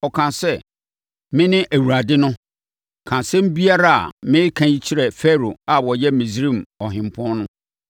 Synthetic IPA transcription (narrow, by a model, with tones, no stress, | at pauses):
ɔ˨kʰã˨sɛ˦ | mɪ̃˦nɪ̃˦ʔæ˨wu˨ɾa˨dɪ˦nʊ̃˦ | kʰã˨sɛ̃˦m̩˦bi˦a˦ɾa˦˨a̰˨mɪ̃˦kʰã˨ji˦t͡ɕʰi˦ɾɛ˨fɛ˦ɾo˨a˨wɔ˨jɛ˦mĩ˨sɾĩ˦˨mɔ˨ɦɪ̃˨m˨pʰɔ̃˦n˦nʊ̃˦